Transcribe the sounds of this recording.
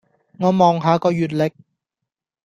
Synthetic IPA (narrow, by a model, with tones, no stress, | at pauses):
ŋɔː˨˧˥mɔː˨˩ŋɦaː˨˧kɔː˧jyː˨t̚lɪ˨˩k̚